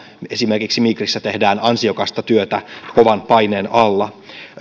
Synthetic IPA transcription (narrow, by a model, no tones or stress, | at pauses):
e̞sime̞rkiksimikrisːæt̪e̞hdæːnɑnsio̞kɑst̪ɑt̪yøt̪æko̞ʋɑnpɑjne̞ːnɑlːɑ